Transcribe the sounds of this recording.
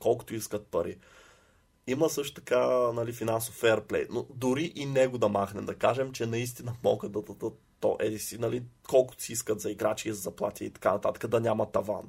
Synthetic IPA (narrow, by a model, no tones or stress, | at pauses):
kɔlˠkʊ̥t̪oiskət̪̚pɐɾḭ | iməsɤʃt̪ʊ̥t̪ɐkanɐlifinansofɛɾplɛ̰jnod̪ʊɾiʔinɛɡʊd̪ɐmaxnɛmd̪ɐkaʒɛmt͡ʃɛnɐis̬t̪inəmɔɡəd̪ɐd̪ɐd̪ə | t̪ɔ̰ʔɛd̪isinɐlikɔlˠkʊt̪ʊ̥siiskət̪zɐiɡɾat͡ʃiizɐzɐplˠa̰t̪ʲiḭt̪ɐ̥kanɐt̪at̪ə̥kəd̪ɐnʲamɐt̪ɐva̰n